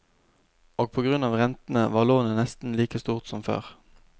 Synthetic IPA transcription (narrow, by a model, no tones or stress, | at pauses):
oːɡ̚pʰoːɡʁʉnɑːʋʁɛnt̪n̩əʋɑːʁloːnənɛst̪n̩liːkəst̪uːʁt̪sɔmfø̰ːʁ